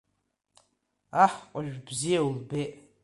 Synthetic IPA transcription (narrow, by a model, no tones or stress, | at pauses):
aħqʷʼɔʒᶣʷbzijewulbeːʔ